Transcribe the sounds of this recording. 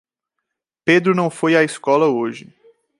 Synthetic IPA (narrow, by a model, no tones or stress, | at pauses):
ped̪ɾʊnɐ̃w̃fojaiskɔlɐoʒɪ